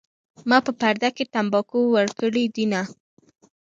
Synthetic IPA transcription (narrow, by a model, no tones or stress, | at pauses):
mɑpəpaɾd̪akeʈambɑkowəɽkəɽid̪ina